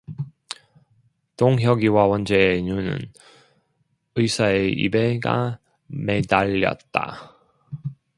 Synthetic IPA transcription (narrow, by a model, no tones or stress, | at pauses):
toŋɦjʌɡiwawʌnd͡ʑeːɲunɯ̰n | ɯisʰaeḭbeɡa̰ | me̞daʎːʌ̰t̚t͈a̰